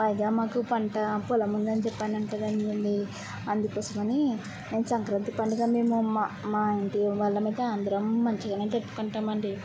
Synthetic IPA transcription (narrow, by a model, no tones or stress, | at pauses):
pɐjɐɡaːmaːkupɐɳʈɐpɔlɐmund̪ɐnit͡ʃɛpːaːnɐnikɐd̪annd̪i | ɐnd̪ukɔːsɐmɐni | ne̞ːnusɐŋkɾɐnt̪ipɐɳɖiɡaːme̞ːmumamaːeɳʈiʋaːɭːɐmiːt̪eand̪ɐɾɐmːɐɲt͡ʃiɡanet̪epːu̥kuɳʈaːmɐɳɖi